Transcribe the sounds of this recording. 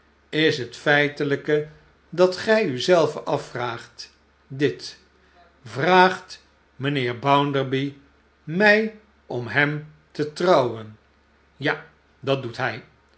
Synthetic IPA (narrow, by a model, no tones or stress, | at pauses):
ɪsɦətfɛjtələkə | dɑtχɛjyzɛlˠvəʔɑfraːχt | dɪt | vraːχt | mənɪːɹbʌwndəɹbi | mɛj | ɔmɦɛm | tətrɑwən | ja | dɑt̚dutɦɛj